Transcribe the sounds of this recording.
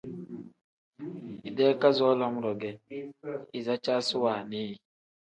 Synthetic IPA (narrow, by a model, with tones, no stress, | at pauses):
i˨dɛ˦ka˦zɔ˦lɔ˦m˦ɾɔ˨ɡɛ˨ | i˨za˦t͡ʃa˦sʊ˦waː˨ni˦j